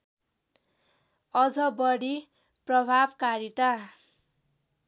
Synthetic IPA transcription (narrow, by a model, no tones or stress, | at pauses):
ʌd͡zʌbʌɽi | prʌbʱabkaɾit̪a